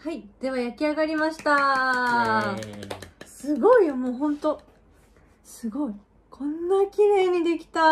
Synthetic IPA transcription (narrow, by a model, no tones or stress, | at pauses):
haid̪̥e̞βajakʲiaɡaɾʲimaɕi̥t̪a | sɨɡo̞iomo̞ːɦõ̞nt̪o̞ | sɨɡo̞i | kʰõ̞nːakʲiɾe̞ːɲ̟id̪e̞kʲi̥t̪a